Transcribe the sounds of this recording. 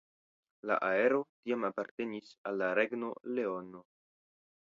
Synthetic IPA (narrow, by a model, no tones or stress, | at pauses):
la̰ʔae̞ɾo̞tiamapaɾte̞nisalːaɾe̞ɡno̞le̞o̞no̞